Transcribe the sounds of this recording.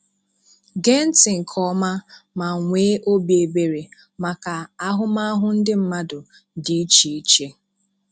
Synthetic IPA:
ɡe˦n̩˦tɪ˨ŋ̩˨kʰɔ˦ma˦ma˨ŋʷeː˦ʔo˦bje˨be˨ɾe˨ | ma˨ka˨a˦ɦʊ˦ma˦a˦ɦʊ˦n̩˦dɪ˦m̩˦ma˦dʊ˨ | di˨i˦t͡ʃi˨i˦t͡ʃe˦

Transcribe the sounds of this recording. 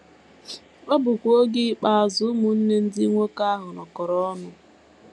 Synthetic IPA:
k͡pe˦bʊ˨kʷo˦ɡɪ˦k͡pa˨a˨zʊ˨˦mʊ˨n̩˦ne˦n̩˦di˦ŋʷo˦ka˦a˦ɦʊ˨nɔ˨kɔ˨ɾɔ˦ɔ˦nʊ˦

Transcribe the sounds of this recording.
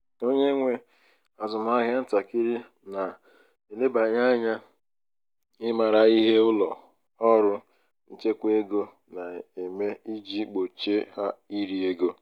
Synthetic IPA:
o˦ɲe˦ŋʷe˦ | a˨zʊ˨ma˦ɣja˦n̩˦ta˨ki˦ɾi˦ | na˨ | e˨le˦ba˨ɲa˦ɲa˦ | ɪ˦ma˨ɾa˨i˦ɦe˦ʊ˦lɔ˨ | ɔ˦ɾʊ˦ | n̩˦t͡ʃe˦kʷe˦ɡo˦ | na˨e˨me˦i˦d͡ʒi˦k͡po˨t͡ʃe˦ha˦i˦ɾi˨e˦ɡo˦

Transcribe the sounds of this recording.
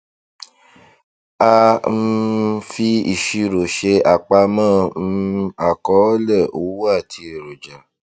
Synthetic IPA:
a˧m̩˦fi˧ḭ˦˨ʃi˧ɾo˨ʃe˧a˨k͡pa˧mã˦˧ | a˨kɔ˨˦lɛ˦˨o˨˦wu˦a˦˨tʰi˧˨ɾo˨d͡ʒa˨

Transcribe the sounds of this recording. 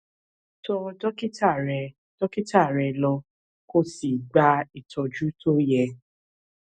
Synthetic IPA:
tɔ˧dɔ˦ki˦ta˦˨ɾɛ˨ | d̥ɔ˦ki˦ta˦˨ɾɛ˨lɔ˧ | ko˦si˨ɡ͡ba˧i˨tʰɔ˧d͡ʒu˦tʰo˦jɛ˧

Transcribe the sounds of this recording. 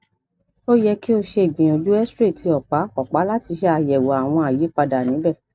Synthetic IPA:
o˦jɛ˧ki˦o˧ʃe˧e˨ɡ͡bĩ˨o˧d͡ʒu˦ɛ˦stɾe˦˨tʰi˧ɔ˨k͡pa˨˦ɔ˨k͡pa˨˦la˦ti˧ʃɛ˦a˧jɛ˨wɔ˨a˨w̃ɔ̃˧a˨je˨˦k͡pa˧da˨nĩ˨˦bɛ˦˨

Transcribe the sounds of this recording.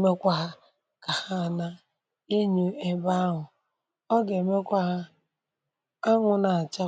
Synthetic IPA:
me˦kʷa˦ɦa˦ | ka˨ha˦˨na˦ | e˦ɲu˦e˦ba˦a˦ɦʊ˨ | ɔ˦ɡe˨me˦kʷa˦ɦa˦ | a˦ŋʊ˨na˨a˨t͡ʃa˦

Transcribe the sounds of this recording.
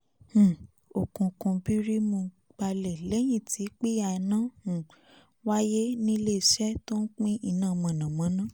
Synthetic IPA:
h̩˨ | o˨kũ˨˧kũ˧bi˦ɾi˦mo˧˨ | ɡ͡b̥a˧lɛ˨lɛ˨˦j̃ĩ˦˨ti˨˦k͡pi˦ja˧nã˦˨ | wa˦je˦nĩ˦le˦˨ʃɛ˦to˦n̩˦k͡pĩ˦ʔi˧˨nãː˦˨mã˨nã˨mã˨˦nã˦

